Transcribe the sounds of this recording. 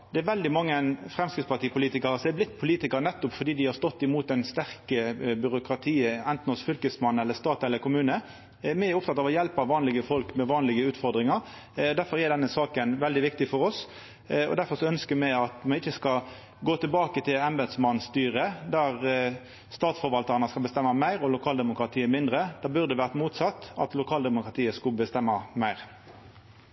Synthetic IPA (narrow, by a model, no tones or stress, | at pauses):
d̪ɛæɾʋɛld̪ɪmɑŋːənfʁɛmskɪt̪spʰɑt̪iːpʊliːt̪ɪkəʁɑsɛɪblɪt̪ːpʰʊliːt̪ɪkəɾnɛt̪ːʊpfɔd̪iːd̪ɪhɑɾst̪ɔt̪ːɪmuːt̪̚d̪ɛnst̪æʁkəbʏɾʊkɾɑt̪ʰiːəɛnt̪n̩ɔsfʏlkəsmɑnːɛlːəst̪ɑːt̪ɛlːəɾkʊmʉːnə | mɛæɾʊpt̪ɑt̪ːɑʋɔjɛlpɑʋʋɑːnlɪɡəfɔlkmɛʋɑːnlɪɡəʉːt̪fɔʁd̪ʁɪŋəɾ | d̪æɾfɔʁɛd̪ɛnːəsɑːkənʋɛld̪ɪʋɪkt̪ɪfɔɾɔs | ɔ̰d̪æʁfɔʁsɔœnskəmɛɑt̪mɛnɪçːəskɑ | ɡoːt̪ɪlbɑːkət̪ʰɪlɛmbəd̪smɑnst̪yːʁəd̪æʁ | st̪ɑːt̪sfɔɾʋɑlt̪ənəskɑlbəst̪ɛmːɑmæɪʁɔlʊkʰɑːld̪ɛmʊkɾɑt̪ʰiːəmɪnd̪ʁəd̪̥ɑːbʉʁd̪əʋæːʁt̪muːt̪sɑt̪ːɑ̰t̪lʊkʰɑːld̪ɛmʊkɾɑt̪ʰiːəskʊlbəst̪ɛmːɑmæɪʁ